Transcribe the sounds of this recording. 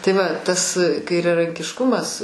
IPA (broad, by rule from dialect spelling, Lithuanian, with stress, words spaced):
tɐɪ ˈʋɐ ˈtɐs kɐɪrʲɛrɐŋʲkʲɪʃˈkʊmɐs